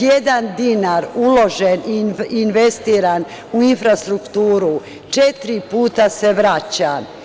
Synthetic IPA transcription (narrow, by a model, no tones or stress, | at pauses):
jed̪and̪inaɾulo̞ʒeniinʋest̪iːɾan | uinfɾast̪ɾukt̪uːɾu | t͡ʃet̪ɾipuːt̪ase̞ʋɾat͡ɕa